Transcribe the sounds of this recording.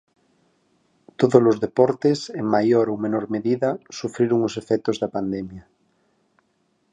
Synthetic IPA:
t̪oðozlozðepoɾt̪eseŋmajoɾowmenoɾmeðiðasufɾiɾoŋosefɛk̚t̪ozðapand̪emja

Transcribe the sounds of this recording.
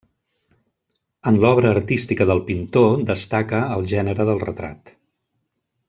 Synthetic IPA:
ənlɔβɾəːrt̪ist̪ikəðəlˠpint̪od̪əst̪akəːlˠʒɛnəɾəðəlˠrə̰t̪ɾa̰t̪

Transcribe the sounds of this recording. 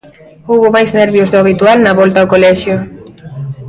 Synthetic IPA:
oβomajzneɾβjozðoaβ̞it̪ualnaβolt̪aokolɛʃjo

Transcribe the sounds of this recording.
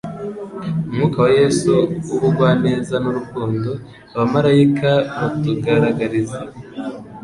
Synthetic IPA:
umŋuːkawaje̞suuβuɡwaːne̞ːzanuɾukuːndo | aβamaɾajikaβatuɡaɾaɡaɾiza

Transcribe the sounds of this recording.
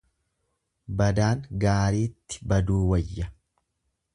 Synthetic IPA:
bɐd̪aːŋɡaːɾiːt̪ːɪ̥bɐd̪uːwɐjːɐ

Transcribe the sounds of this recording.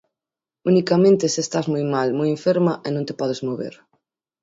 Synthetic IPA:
unikamẽnt̪esest̪azmujmalmujẽɱfeɾmaʔenõnt̪e̥pɔðezmoβḛɾ

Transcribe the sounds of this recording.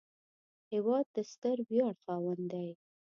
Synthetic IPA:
hɪwɑd̪̚ːəst̪əɾbjɑɽxɑwənd̪aj

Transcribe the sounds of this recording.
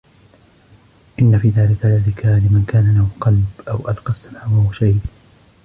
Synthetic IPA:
ʔɪnːafiːðaːlɪkaʕalɪrɪkalɪmankaːnalahuqɑlbʔawʔalqɑsːamaːwahʊwaʃajd

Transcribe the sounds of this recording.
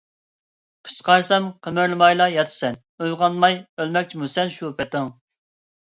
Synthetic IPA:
qʰə̥t͡ʃqɑɾsɛmqʰəmɨɾlˠɨmɑjlˠɑjɑt̪ʰɨ̥sɛn | ojʁɑnmɑjølmɛkʲt͡ʃʰimusɛnʃupɛt̪ɪŋ

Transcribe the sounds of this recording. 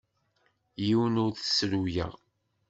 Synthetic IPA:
jiwənʊɾθə̥sɾujæ̰ʁ

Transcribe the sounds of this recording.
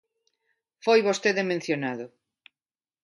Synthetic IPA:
fojβost̪eðemẽn̟θjonaðʊ

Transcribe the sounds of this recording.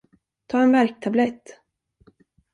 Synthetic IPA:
t̪ʰɑːɛnvæɾk̚t̪ʰablɛt̪ː

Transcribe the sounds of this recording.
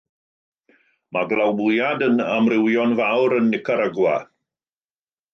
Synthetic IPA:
maɡlˠawmʊjadənamrɪwjɔnvawɾənːɪkʰaɾəɡwa̰

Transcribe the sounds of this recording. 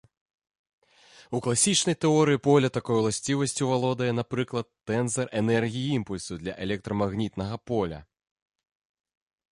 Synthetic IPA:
uklˠasʲit͡ʂnɐjt̪ɛɔɾɨjipɔlʲɐt̪akɔjulˠasʲt͡sʲivɐsʲt͡sʲuvalˠɔd̪ɐjɛnapɾɨklˠɐt̪ːɛnzɐrʔɛnɛrɣʲijiimpulʲsud̪lʲɐ̰ʔɛlʲɛk̚t̪ɾɐmaɣnʲit̪nɐɣɐpɔlʲɐ̰

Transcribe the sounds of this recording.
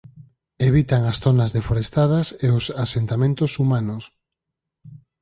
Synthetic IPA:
eβ̞it̪aŋɐsθonɐzðefoɾest̪að̞ɐseʊsasent̪amẽnt̪ʊsumanʊs

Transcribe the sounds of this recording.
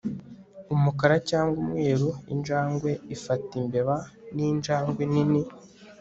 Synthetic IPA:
umukaɾacaːŋɡwumŋe̞ːɾoḭnd͡ʒaːŋɡwe̞ifatimbe̞βaniːnd͡ʒaːŋɡwenini

